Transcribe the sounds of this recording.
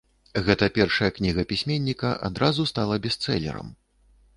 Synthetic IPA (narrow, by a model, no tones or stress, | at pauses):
ɣɛt̪ɐpʲɛrʂɐjɐknʲiɣɐpʲisʲmʲenʲːikɐʔa̰d̪ɾazust̪alˠɐbʲɛst̪sɛ̰lʲɛ̰ɾɐ̰m